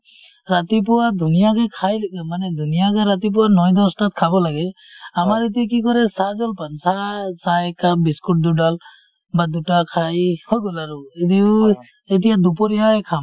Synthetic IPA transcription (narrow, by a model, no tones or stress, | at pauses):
ɾat̪ip̬ɔwad̪ʱunijaɡɛkʰajlek̚amanɛd̪ʱunijaɡɛɾat̪ip̬ɔwanɔjd̪ɔstat̪̚kʰabɔlaɡɛ | amaɾit̬ik̬ikɔɾɛsad͡ʒɔlpansasakabiskuʈ̚d̪uɖal | bad̪utakʰajhɔɡɔlaɾuid̪i | et̬ijad̪up̬ɔɾijaɛkʰam